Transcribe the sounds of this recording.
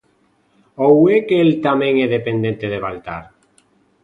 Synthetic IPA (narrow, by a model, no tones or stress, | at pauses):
owekelt̪amẽŋeðepend̪ent̪eðeβalt̪a̰ɾ